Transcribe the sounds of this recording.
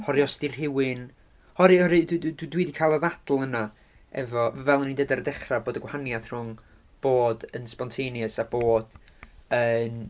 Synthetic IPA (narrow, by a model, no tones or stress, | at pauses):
hɔɾjɔstirɦɪwɪn | hɔɾɨɔɾɨdddwdwiːdikʰaːlˠɔðadl̩ˠəna | ɛ̰vɔvɛlˠɔnindədaɾədɛχraboːdəɡwahanjaθr̥ʊŋ | b̥oːdənspɔntʰejnjəsaboːd̥ən